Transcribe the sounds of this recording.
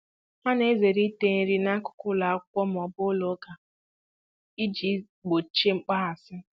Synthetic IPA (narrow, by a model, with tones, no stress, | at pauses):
ma˦ne˦ze˨ɾi˦te˦n̩˦ɾi˦na˦kʊ̥˨˦kʊ˦la˨a˦kʷɔ˦m̩˨ɔ˨bʊ˦lo˨˦ɡa˨ | i˦d͡ʒi˨˦ | ɡ͡bo˨t͡ʃe˦ŋ͡m̩˦k͡pa˦ɦa˨sɪ˦